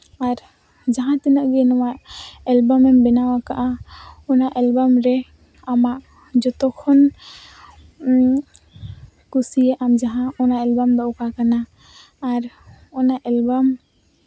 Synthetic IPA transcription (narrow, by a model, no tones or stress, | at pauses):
aɾ | d͡ʒaɦãt̪ɛnəʔɡɛnɔmaʔɛlbɔmɛmbɛnawakaʔaɔnaʔɛlbamɾɛ | amaʔ | d͡ʒɔt̪ɔkʰɔn | kusijɛʔamd͡ʒaɦãɔnaʔɛlbamd̪ɔʔɔkakanaː | ɾ | ɔnaʔɛlbam